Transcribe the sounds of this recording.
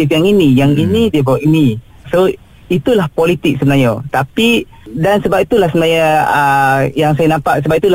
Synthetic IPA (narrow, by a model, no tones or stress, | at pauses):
ifjaŋinĩjaŋinidiabawaʔini | so | it̪ulahpolit̪ɪk̚səbənajat̪api | dansəbap̚it̪ulahsəmənajaəjaŋsajanãmpaʔsəbap̚it̪ula